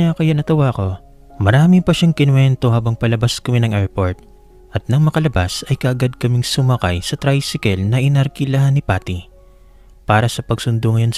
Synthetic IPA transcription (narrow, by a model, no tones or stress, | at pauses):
akɐjanɐt̪ɐwako̞ | mɐɾaːmɪpɐʃaŋkɪnwɛnt̪o̞haːbɐŋpɐlɐbaskɐmɪnɐŋʔɛɹpo̞ɹt̪̚ | ʔɐt̪̚nɐŋmɐkɐlɐbasɐjkɐʔɐɡad̪̚kɐmɪŋsʊmɐkɐjsɐt̪ɾajsɪkɛlnɐʔɪnɐɾkɪlahɐnɪpaːt̪i | paːɾɐsɐpɐɡ̚sʊnd̪oŋɐjo̞ns